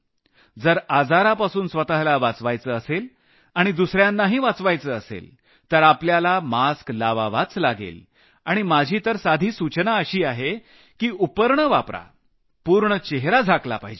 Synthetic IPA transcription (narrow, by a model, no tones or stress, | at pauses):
d͡zəɾad͡zaɾapasuːnsʋət̪aɦlaʋat͡sʋajt͡səːəsel | aɽ̃id̪usɾjãnːaɦiːʋat͡sʋajt͡səːəsḛl | t̪əɾapljalamasklaʋa̰ʋat͡slaɡḛl | aɽ̃imad͡ʑʱiːt̪əɾsad̪ʱiːsut͡ɕnaəɕiːaɦe | kiːupəɾɳəʋapɾa̰ | puɾɳət͡ɕeɦɾad͡zʱaklapaɦid͡ʑe